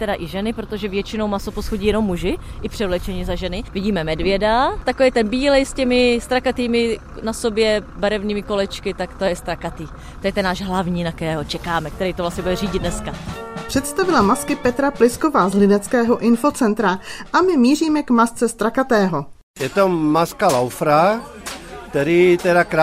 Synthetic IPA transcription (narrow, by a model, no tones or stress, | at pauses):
t̪ɛdaʔɪʒɛnɪpɾot̪o̞ʒɛvjɛt͡ʃɪno̞wmasoposxoɟiːɛnomːuʒɪʔɪpr̝̥ɛvlɛt͡ʃɛɲɪzaʒɛnɪvɪɟiːmɛmɛdvjɛdat̪akovɛjt̪ɛnbiːlɛjscɛmɪst̪ɾakat̪iːmɪ | naso̞bjɛbaɾɛvniːmɪko̞lɛt͡ʃkɪt̪akt̪ojɛst̪ɾakat̪iː | t̪ojɛt̪ɛnːaːʒɦlavɲiːnakɛːɦot͡ʃɛkaːmɛk̚t̪ɛɾɛjt̪ovlastɲɛbudɛriːɟɪd̪nɛskapr̥ɛt̪st̪avɪlamaskɪpɛt̪ɾaplɪskovaːzlɪnɛt͡skɛːɦoʔɪnfo̞t͡sɛnt̪ɾaʔamɪmiːriːmɛkmast͡sɛst̪ɾakat̪ɛːɦo | jɛt̪omaskalawfɾa | k̚t̪ɛɾiːt̪ɛdakɾa